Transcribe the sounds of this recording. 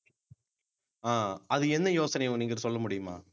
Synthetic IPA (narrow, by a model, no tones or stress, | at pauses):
aːɐðɯɛnd̪ɐjoːsɐnɐjʊ̃niːŋɡɐɾsɔlːɐmʊɽɪjɯma̰ː